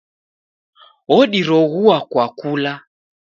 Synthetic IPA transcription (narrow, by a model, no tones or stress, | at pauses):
ɔɗiɾɔɣuakwakula